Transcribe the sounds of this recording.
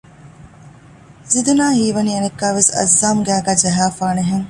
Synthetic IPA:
zid̪ɐnaːhiːʋɐniːenekːæːʋesɐ̰zːaːmɡæːɡæːd͡ʒɐɦaːfaːneɦeŋ

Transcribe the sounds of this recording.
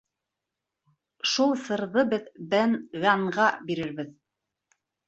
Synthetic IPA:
ʃulˠsɤ̆ɾðɤbɘðbænɣɑɴɢɑbiɾɘɾbɘð

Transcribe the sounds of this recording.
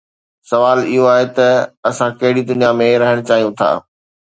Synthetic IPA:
sɐʋaːlɪɦoaːɦet̪ɐɐsãkɐɦɪɽid̪ʊnijamẽɾɐɦəɽ̃t͡ɕaːɦijũt̪ʰa̰ː

